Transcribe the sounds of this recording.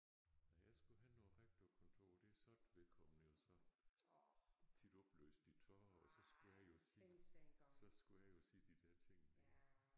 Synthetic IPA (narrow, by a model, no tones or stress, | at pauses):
næjɑɪsɡ̥uɦænɔːɦaɪɡ̥̚d̥ɔ̥kʰɒnt͡sʰo̝̰ːd̥e̝æsɒ̽d̥ʋe̝lkʰɒ̽mn̩jo̝sɒ̽ | t͡sʰid̥ɒ̽b̥lø̰ːsd̥it͡sʰɒɒsɒ̽sɡ̥ujɑjo̝si | sɒ̽sɡ̥ujɑjo̝siːd̥id̥ɛɐ̰t͡sʰe̝ŋ̰